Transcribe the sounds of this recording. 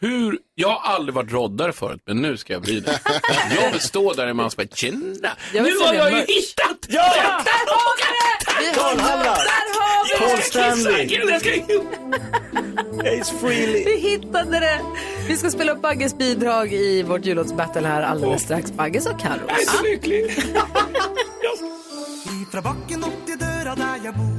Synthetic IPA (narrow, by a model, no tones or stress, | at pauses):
hʉɾjɑːɡhaɾʔald̪ɾɪvaʈɾɔd̪ːaɾəfœ̰ːɾʉ̰t̪̚mɛnːʉ̟ːskajɑ̰blḭːd̪ɛ̰jɑːɡbɛst̪oːɖæɾɪmansba̰t͡ʃɪnːajɑajajhɪt̪ːat̪j̪ːæɑɪd̪ɛvɪ | d̪æɾhavɪɔlsɛnd̪s | ɛɪsfɹilvɪɦɪt̪ːad̪əd̪ɛ | vɪskaspeːlaɵp̚baɡːəsbiːd̪ɾɑːɡɪvoʈjʉːlot̪sbɛt̪ːəlhæːɾa̰lɛnɛst̪ɾaksbaɡːəsɔkʰːa̰ɾʊ̰slʏklɪ | ifɾbɑkːənɔɪd̪øːɾj